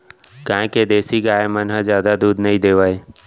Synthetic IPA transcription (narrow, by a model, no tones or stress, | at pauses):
kãɦɪ̃keːd̪eːsiːɡaːemənɦə̃zjaːd̪ad̪uːd̪nəɦĩd̪eːʋaːeː